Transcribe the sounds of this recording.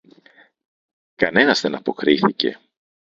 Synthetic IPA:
kɐne̞nɐzðe̞nɐpo̞kɾiθice̞̰

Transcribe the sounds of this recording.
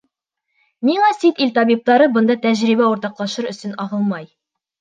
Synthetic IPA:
nilˠɑsit̪ilt̪ɒbip̚t̪ɑɾɤbɤ̆nd̪ɑt̪æʑɾibæuɾt̪ɑqlˠɑʃɤɾɵ̆sɵnɒʁɤlˠmɑj

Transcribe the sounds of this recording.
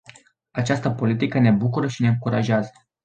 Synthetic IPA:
at͡ʃast̪əpo̞lit̪ikəne̞bukuɾəʃine̞ɨŋkuɾaʒeazə

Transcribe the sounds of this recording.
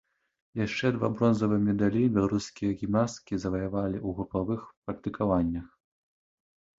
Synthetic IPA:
jaʂt͡ʂɛd̪va̰bɾɔnzɐvɨmʲɛd̪alʲibʲɛlˠaɾuskʲijɐɣʲimnaskʲizɐvɐjavalʲiʔuɣɾupavɨxpɐk̚t̪ɨkʰavanʲːɐx

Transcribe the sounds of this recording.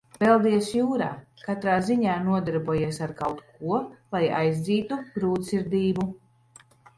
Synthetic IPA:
vɛlˠd̪iɛsjuːɾa̰ːkat̪ɾaːziɲaːnuɔd̪ɛɾbuɔjeɛsaɾkawt̪kuɔlˠaja̰jzd̪ziːt̪uɡ̥ɾuːt̪siɾd̪iːbu

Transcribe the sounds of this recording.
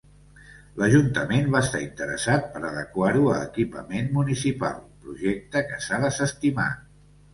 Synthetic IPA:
ləʒunt̪əmenβaəst̪aint̪əɾəsat̪̚pəɾəðəkwaɾuələ̰kipə̰menmunisipa̰lˠpɾuʒɛk̚t̪əkəsaðəsəst̪ima̰

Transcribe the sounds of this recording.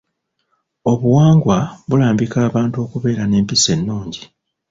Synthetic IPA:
o̞βuwaːŋɡwaβulaːmbikaːβaːntuo̞ːkuβe̞ːɾane̞ːmpise̞nːuːɲɟi

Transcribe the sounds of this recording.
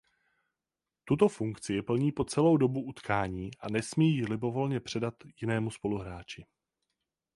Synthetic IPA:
t̪ut̪o̞fuŋkt͡sɪjɛpl̩ɲiːpo̞t͡sɛlo̞wdo̞buʔut̪kʰaːɲiːʔanɛsmijːlɪbo̞vo̞lɲɛpr̝̥ɛdat̪jɪnɛːmuspo̞luɦɾaːt͡ʃɪ

